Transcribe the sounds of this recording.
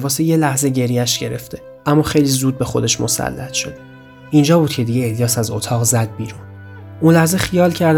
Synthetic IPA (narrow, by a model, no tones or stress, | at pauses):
bɒːseje̞læhze̞ɟe̞ɾijæʃɟe̞ɾḛft̪ʰe̞ | ʔæmːɒːxe̞jlizuːd̪̚be̞xo̞d̪e̞ʃmo̞̰sæ̰lːæ̰t̪ʰʃo̞̰d̪e̥ | ʔind͡ʒɒːbuːd̪̥̚cʰe̞d̪iɟeelijɒːsæzo̰t̪ʰɒːɣzæd̪̚biːɾuːn | ʔunlæhzexijɒːlcʰæɾd̪